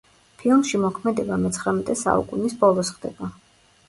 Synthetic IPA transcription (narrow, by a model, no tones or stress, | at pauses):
pʰilˠmʃimɔkʰmɛd̪ɛbamɛt̪sʰχɾɛmɛt̪ʼɛsa̰ṵkʼunisbɔlˠɔsχd̪ɛba